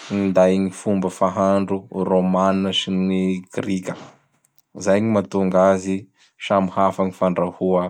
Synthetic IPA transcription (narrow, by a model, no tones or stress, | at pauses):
nind̪ajɲifumbəfaɦaɳɖ͡ʐuromanaʃiniɡrikʲə | zajɲimat̪uŋɡazi | ʃamihafaŋifaɳɖ͡ʐahua